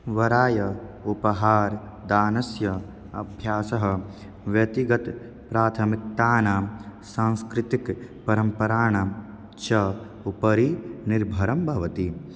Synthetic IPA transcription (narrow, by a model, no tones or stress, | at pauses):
ʋɐɾaːjɐupɐɦaːɾ | d̪aːnɐsjɐ | ɐ̰bʱjaːsɐɦɐ̆ | ʋjɐt̪iɡɐt̪ | pɾaːt̪ʰɐmik̚t̪aːnaːsãːñskɾɪt̪ikpɐɾɐmpɐɾaːɳɐ | t͡ʃɐ | upɐɾiniɾbʱɐɾɐmbʱɐʋɐt̪i